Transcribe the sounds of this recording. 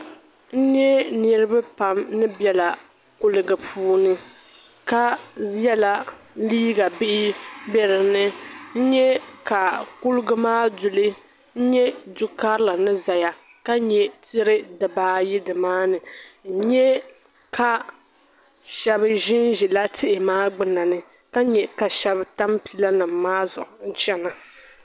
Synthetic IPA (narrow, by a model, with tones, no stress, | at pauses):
n̩˦ɲɛ˦ni˦ɾɨ˦ba˦pa˨mnɨ˦bɛ˨la˨ | kʊ˦lɨ˨ɡɨ˨pʰuː˦nɨ˦ | ka˦jɛ˦la˨ | liː˦ɡa˨bɪ˦ʔɪ˦bɛ˦ɾɨ˨nɨ˦n̩˦ɲɛ˦ka˨ku˦lɨ˦ɡɨ˦maː˦dʊ˨lɨ˦ | n̩˦ɲɛ˦dʊ˨ka˦ɾla˨nɨ˦za˨ja˨ | ka˦ɲɛ˨ti˦ɾɨ˦dɨ˨baː˦ji˦dɨ˨maː˦nɨ˨n̩˦ɲɛ˦ | ka˦ | ʃɛ˦bɨ˦ʒɪ˦nʒi˨la˦tʰɪ˦ʔɪ˨maː˦ɡ͡bɨ˨na˨nɨ˨ | ka˦ɲɛ˨ka˨ʃɛ˦bta˦mpi˦la˦nɨ˨m̩ː˨aː˦zʊ˨ʔʊ˨n̩˦t͡ʃɛ˦na˨